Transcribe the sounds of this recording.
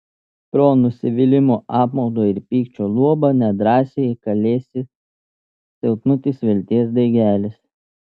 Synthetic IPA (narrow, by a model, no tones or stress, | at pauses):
pɾoːnʊsʲɪʋʲɪlʲɪmoːʔɑːpmɐʊd̪oːɪɾpʲiːkt͡ʃʲoːlˠuɔbɐnʲɛd̪ɾɑːsʲejɛkɐlʲeːsʲɪ | sʲɛlˠt̪nʊt̪ʲɪsʋʲɛlʲt̪ʲiɛsd̪ɐɪɡʲæːlʲɪs